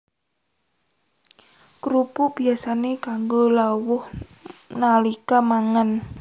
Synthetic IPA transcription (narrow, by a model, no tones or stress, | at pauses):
kɾupub̥iasanekaŋɡolawʊhnalikamaŋən